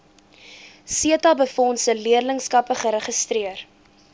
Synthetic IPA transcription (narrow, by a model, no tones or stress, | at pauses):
siətɐbəfɔnsəliərləŋskɐpəχəɾəχəstriər